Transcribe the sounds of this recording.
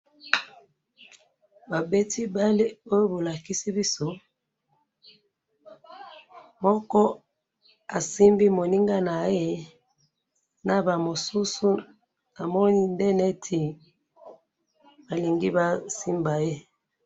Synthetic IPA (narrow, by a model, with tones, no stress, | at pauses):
ba˨be˦ti˦ba˦li˦o˦jo˦bo˨la˨ki˦si˦bi˦so˦ | mɔ˦kɔ˦ | a˨si˦mbi˦mo˨ni˦ŋɡa˦na˨je˦ | na˨ba˨mo˨su˦su˦ | na˨mɔ˦ni˦ndɛ˦ne˦tʰi˨ | ba˨li˨ŋɡi˦ba˨si˦mba˨je˦